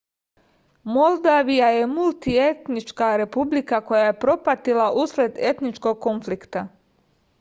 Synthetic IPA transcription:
mo̞lˠd̪aʋijaje̞mulˠt̪ie̞t̪nit͡ʃkaɾe̞publikako̞jaje̞pɾo̞pat̪ilaʔusled̪e̞t̪nit͡ʃko̞ɡ̚ko̞nflikt̪a

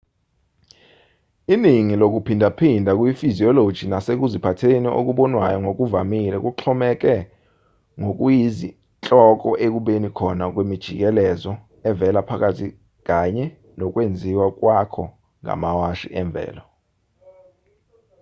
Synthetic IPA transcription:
iniŋilok̬upʰindʱapʰindʱak̬ʼwifiziɔlod̥ʒ̥ʱinasek̬uzipʰatʰeniʔo̰k̬uɓɔnwajɔŋok̬uvamilɛk̬ʼuǁʰɔmɛk̬ʼɛ | ŋok̬ʼujizi | t͡ɬʼɔk̬ʼɔʔek̬uɓenikʰɔnak̬wemid̥ʒ̥ʱik̬ɛlɛzɔ | ɛvɛlapʰak̬ʼatʰi | k̬aɲɛ | nɔk̬ʼwend͡zʱiwak̬ʼwakʰɔ | ŋa̰mawaʃḭʔɛɱb̪vʱɛ̰ːlɔ

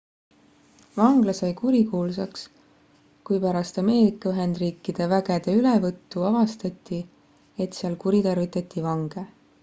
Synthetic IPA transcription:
vɑŋɡ̥lɑsɑjkuɾikuːlsɑks | kujpæɾɑst̪ɑme̞ːɾikːˑɑyɦe̞nd̪̥riːkːˑid̪̥e̞væɡ̥e̞d̪̥e̞ylevɤt̪ːuɑvɑst̪ɑt̪ˑːi | e̞t̪siɑlkuɾit̪ɑrvit̪ːˑɑt̪ːˑivɑŋɡ̥e

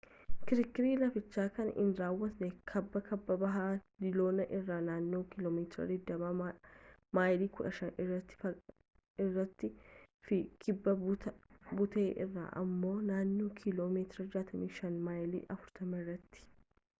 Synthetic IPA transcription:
kɪɾɪkːɪɾiːlɐfɪt͡ʃːaːkɐnɪ̰nɾaːwːɐt̪nɛkʰɐbːɐkɐbːɐbɐɦaːd̪ɪlo̞ːnɐʔɪrːaːnaːnːoːkɪloːmeːt̪ɾɐ̰d̪ɪd̪ːɐba | maːjliːkʊᶑɐʃɐnɪrːɐt̪ːɪ̥ɐ | ɪrːɐt̪ːɪ | fɪkɪbːɐ | bʊt̪eːʔɪrːa̰ːʔɐ̰mːo̞ːnaːnːoːkʰɪloːmeːt̪ɪɾɐd͡ʒaːt̪ɐmiːʃɐnmaːjlḭːɐfʊɾt̪ɐmɐrːɐt̪ːɪ̥

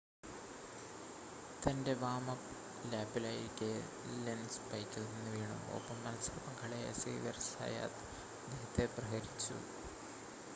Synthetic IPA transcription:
t̪ɐnde̞ʋaːmɐ | laːpːilaːjiɾikʲːɨ | lenspɐjkʲːɐlninːuʋeːɳɐ̰mo̰pːɐmːɐlɐsɐrɐpɐŋkʰɐɭɐja̰sḛːdɐrsa̰ja̰ːt̪ | d̪eɦɐt̪ːeprɐɦɐɾit͡ɕːṵ

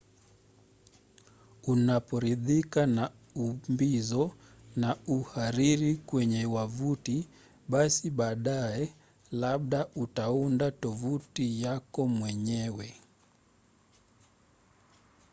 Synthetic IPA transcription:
unapɔɾiðikana | umbizɔ | nauhaɾiɾikwɛɲɛwavuti | ɓasiɓaːɗaɛ | laɓɗautaundatɔvutijakɔmwɛɲɛwɛ

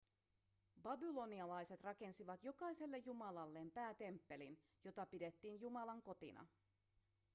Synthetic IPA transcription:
bɑbilo̞niɑlɑjse̞t̪rɑke̞nsiʋɑt̪jo̞kɑjse̞lːe̞jjumɑlɑlːe̞ːmpæːt̪e̞mpːe̞lin | jo̞t̪ɑpide̞t̪ːiːnjumɑlɑŋko̞t̪ḭnɑ̰

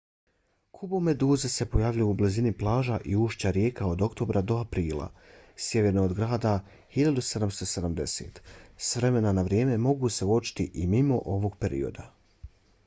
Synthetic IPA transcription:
kʰubome̞d̪uːzese̞po̞jaʋʎujuːbliziniplˠaːʒaʔiuːʃt͡ɕaɾje̞ːkao̞d̪o̞kt̪o̞bɾʔad̪o̞apɾiːlˠa̰sje̞ʋe̞ɾnoːd̪ɡɾaːd̪a | hiʎad̪use̞d̪amst̪o̞se̞d̪amd̪e̞sḛːt̪sʋɾe̞me̞nanaʋɾje̞ːme̞mo̞ɡuːse̞ot͡ʃi̥t̪iʔimimo̞ʔo̞ʋo̞ɡ̚pe̞ɾḭo̞̰d̪a

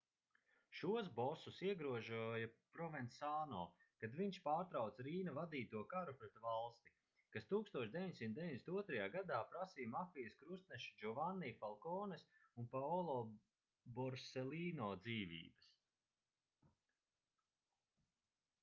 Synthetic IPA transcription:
ʃuɔs̬bɔsusiɛɡɾuɔʒujapɾɔvɛnsaːnɔ̰ː | kad̪viɲʃpaːɾt̪ɾawt̪sɾiːnavad̪iːt̪uɔkaɾupɾɛt̪valˠst̪i | kast̪uːkst̪uɔʃd̪ʲeviɲʲsʲint̪d̪viɲd̪ʲesi̥t̪uɔt̪ɾɐjaːɡad̪aːpɾasiːmafijəskɾust̪̚nɛʃi̥d͡ʒɔvanːiːfalˠkɔːnesunpaɔlˠɔ | bɔɾsɛliːnɔːd̪ziːvḭːbɐs

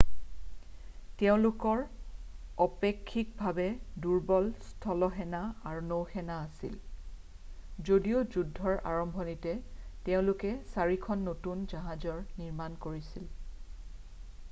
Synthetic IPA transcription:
tɛʊ̃lʊkɔɹ | ɔpekʰːik̚bʱabɛduɹbɔlstʰɔlɔɦɛnaaɹunowxɛnaːsḭl | zodijozudʱːɔɹʔa̰ɹɔmbʱɔnitɛtɛʊ̃lʊkɛsaɹikʰɔnːotunzaɦazɔɹniɹmankoɹisil

